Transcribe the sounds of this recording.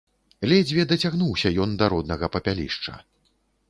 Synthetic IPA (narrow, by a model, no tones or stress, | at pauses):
lʲɛd͡zʲvʲɛd̪ɐt͡sʲaɣnuwsʲɐjɔnd̪ɐɾɔd̪nɐɣɐpɐpʲalʲḭʂt͡ʂɐ̰